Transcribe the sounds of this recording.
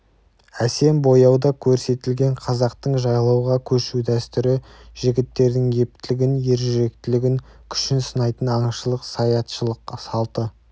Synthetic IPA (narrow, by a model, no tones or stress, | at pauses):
æse̞mbo̞jɑwd̪ɑkʲʰɵɾse̞t̪ɪlɡʲe̞ɴqʰɑzɑqt̪əɴʒɑjlˠɑwʁɑkʲʰɵʃud̪æst̪ʏɾɪʒ̥ɪɡʲɪt̪ːe̞ɾd̪ɪŋje̞p̚t̪ɪlɪɡʲɪnje̞ɾʒʏɾe̞k̚t̪ɪlɪɡʲɪŋkʲʰʏ̥ʃɪnsənɑjt̪ənɑɴʃəlˠəqsɑjɑt̪ʃəlˠəqsɑlˠt̪ə